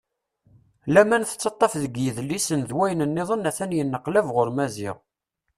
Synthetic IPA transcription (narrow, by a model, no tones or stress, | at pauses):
læmænθə̥t͡sːɑt̪ˤːɑfðəɡjəðlːisənðwæjənənːɪðˤənːæθænjənːəqlævʁʊɾmæzɪ̰ʁ